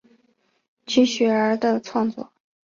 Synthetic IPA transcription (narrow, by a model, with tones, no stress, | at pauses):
t͡ɕʰy˧˥ɕɥɛ˨˩ə˞˧˥d̪ə˧t͡sʰwɑ˥˧ŋt͡swɔ̰˥˩